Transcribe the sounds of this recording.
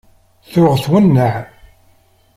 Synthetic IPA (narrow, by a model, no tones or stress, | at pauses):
θʊʁθwənːəʕ